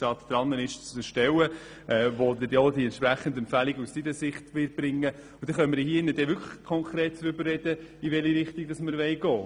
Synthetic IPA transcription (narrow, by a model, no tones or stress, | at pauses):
ɑːt̪d̥ɾɑnːənɪʃt͡səʃtɛwə | ʔɛvod̪ədod̪iɛnt̪pɾæχːən̩dɛmpfæliɡussidəsɪχtʋɪːt̚b̥ɾɪŋːə | ud̥̪ɛχœmːəɾjhiːɪnːəd̥ɛʋʏkʰlə̥χkʰɔŋkʰʁɛːtt͡sɾʏbərːɛd̥əiʋɛliɾɪχt̪iɡ̚d̥ɑsməɾʋɛɪɡɔː